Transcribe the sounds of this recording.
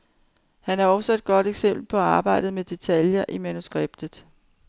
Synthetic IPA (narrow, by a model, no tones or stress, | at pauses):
hænæɐɒ̽sɒe̝d̥̚ɡ̥ɒ̽d̥eɡ̥sem̰b̥l̩pʰɒ̽ɑ̈ːb̥ɑ̈ɪ̰d̥ð̩ˠmed̥e̝t͡sʰæljɐʔimænusɡ̥ʁeb̥̚d̥ð̩ˠ